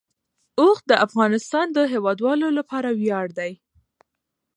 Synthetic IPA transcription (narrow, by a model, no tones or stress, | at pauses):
oxd̪əʔafɣɑnɪst̪ɑnd̪əɦewɑd̪wɑlolapɑɾawjɑɽd̪aj